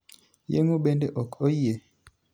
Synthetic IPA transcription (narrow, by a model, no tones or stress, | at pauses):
jḛŋoɓendeʔɔkojie